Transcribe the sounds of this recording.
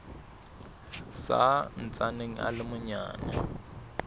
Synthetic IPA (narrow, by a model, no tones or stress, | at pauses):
sa̰n̩t͡sʼaneŋ̩ʔa̰lɪmʊɲa̰ːna